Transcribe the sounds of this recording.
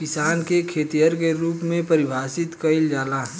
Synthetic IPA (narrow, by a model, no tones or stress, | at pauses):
kɪsaːnkekʰeːt̪ijəɾkeɾuːpmẽpəɾɪbʱaːsɪt̪kəɪld͡ʒaːlaːɦ